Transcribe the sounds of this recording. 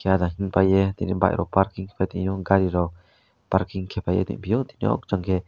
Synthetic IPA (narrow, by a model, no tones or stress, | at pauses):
kead̪ãɦĩpajet̪ḭnĩba̰ʔḭɾʔopaɾkiŋpaĩʔjũɡaɾiɾo | paɾkiŋkʰepajḛt̪ḭ̃pijot̪inḭ̃o̰kt͡ʃaŋke